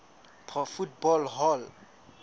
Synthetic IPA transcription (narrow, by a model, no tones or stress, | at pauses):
pʰɔfut̚bɔlɦɔl